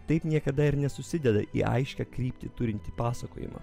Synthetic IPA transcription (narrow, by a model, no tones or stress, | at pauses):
t̪ɐɪpnʲiɛkɐd̪ɐɪɾnʲɛsʊsʲɪd̪ʲɛd̪ɐ̰ʔḭːʔɐ̰ɪʃʲkʲɛkɾʲiːpʲt̪ʲɪt̪ʊɾʲɪnʲt̪ʲiːpɑːsɐko̰ːjɪ̰mɐ̰